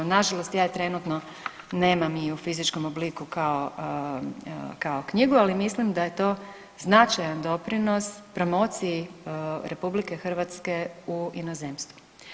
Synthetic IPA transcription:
naʒalˠost̪jaːt̪ɾe̞nut̪no | ne̞ːmamiufizit͡ʃko̞moblikukao | kaokɲiɡualimislimd̪aje̞t̪o̞ː | znat͡ʃajand̪o̞pɾino̞spɾo̞mo̞ːt̪siiɾʔe̞publike̞xr̩ʋat̪ske̞uinozeːmst̪ʋu

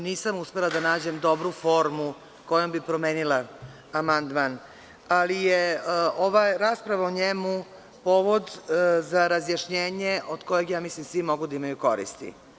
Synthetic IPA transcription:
niːsamuspelˠad̪anaːd͡ʑe̞md̪o̞bɾufo̞ːɾmu | ko̞jombipɾo̞meːnilaː | mand̪man | alijeoʋaɾaːspɾaʋaoɲemu | po̞ːʋo̞d̪zaɾazjaʃɲeːɲeʔod̪ko̞jeɡjaːmislimsʋimo̞ɡud̪aimajuko̞̰ɾḭst̪ḭ

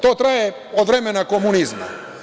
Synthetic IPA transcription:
t̪oːt̪ɾaje | od̪vɾemenako̞munizma̰

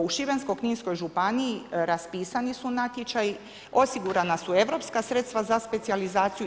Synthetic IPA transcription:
uʃibenskojkɲiːnsko̞jʒupaniiɾaspiːsanisunat̪jet͡ʃaji | o̞siɡuɾanasue̞ʋɾo̞pskasɾe̞t̪st̪ʋazaspe̞t̪sializaːt̪siju

